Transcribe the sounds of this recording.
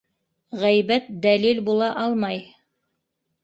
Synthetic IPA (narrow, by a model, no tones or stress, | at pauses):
ʁæjbæt̪̚d̪ælilbulˠɑʔɑlˠmɑj